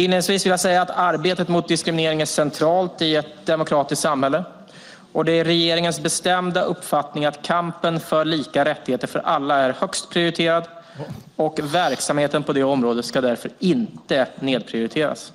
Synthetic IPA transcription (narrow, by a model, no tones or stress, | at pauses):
ɪnːəsviːsvɪljasɛjːaːt̪aɾbeːt̪ət̪mʊt̪̚d̪ɪskɾɪmɪneːɾɪŋæʂɛnt̪ʰɾɑːlt̪ɪɛt̪̚d̪ɛmʊkʰɾɑːt̪ɪsk̪t̪samhɛlːə | ɔd̪ɛæɾɾɛjeːɾɪŋənsbɛst̪ɛmd̪aʔɵpːfat̪nɪŋat̪kʰampənfœɭiːkaɾɛt̪ːɪheːt̪əɾfœɾʔa̰lːaæɾhœkst̪pʰɾɪʊɾɪt̪ʰeːɾad̪ | ɔkvæɾksamheːt̪ənpʰɔd̪ɛɔmɾoːd̪ət̪skad̪æɾfœɾɪnt̪əneːd̪̚pʰɾɪʊɾɪt̪ʰeːɾa̰s